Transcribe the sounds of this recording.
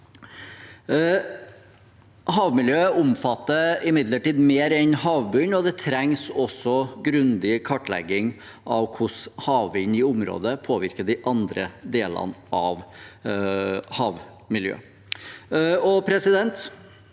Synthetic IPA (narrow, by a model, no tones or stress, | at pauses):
hɑːʋmɪljøːʊmfɑt̪ːəɪmɪd̪ləʈiːd̪meːɾɛnhɑːʋbʉnɔd̪ɛt̪ʰɾɛŋsɔsɔɡɾʉnd̪ɪkʰɑʈːlɛ̰ɡɪŋ | ʔɑʋkʰʊshɑːʋʋɪnɪʊmɾo̰ːd̪əpʰoːʋɪɾkəd̪ɪʔɑnd̪ɾəd̪eːlɑ̰nʔɑʋ | hɑːʋ | mɪljø̰ː | ɔpʰɾɛsɪd̪ɛnt̪